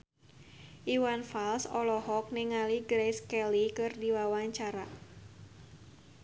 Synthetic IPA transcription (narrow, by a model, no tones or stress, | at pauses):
ʔiwanfalsɔlɔhɔk̚niŋaliɡɾejskɛlikɨrdiwawaɲt͡ʃaɾa